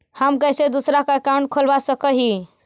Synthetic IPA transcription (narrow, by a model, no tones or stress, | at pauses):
həmkəsed̪usɾakaekaʊ̃ɳʈ̚kʰolbasəkəɦi